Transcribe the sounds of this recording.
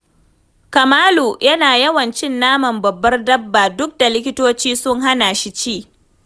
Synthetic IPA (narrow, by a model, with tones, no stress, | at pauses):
kɐ˨maː˦loː˨jʔɐ˦naː˨jɐ˦wɐ˨nt͡ʃɪ˦nːaː˦mɐ˨mbɐ˨bːɐ˦rdɐ˦bːaː˨dʊ˦k̚da˨lɪ˦kʲɪ˦toː˦t͡ʃiː˦sʊ˦ŋɦa˦naː˨ʃi˦t͡ʃiː˦˨